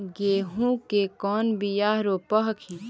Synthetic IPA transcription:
ɡeːɦũkekɔːnbijaːɦɾopəɦkʰi

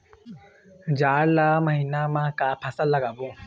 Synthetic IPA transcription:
d͡ʒaːɽlaːməɦiːnamãːkaːpʰɐsəlːəɡaːbõː

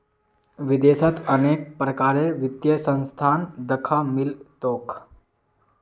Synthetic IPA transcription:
ʋid̪eːsət̪əneːk̚pɾəkaːɾeʋɪd̪jəsə̃nst̪ʰaːnd̪əkʰamilt̪oːk

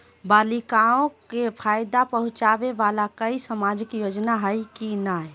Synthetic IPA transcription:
balikaõkepʰajd̪apəɦũt͡ʃabeʋalakəisəmad͡ʒikjod͡ʒnaɦəjkinaj

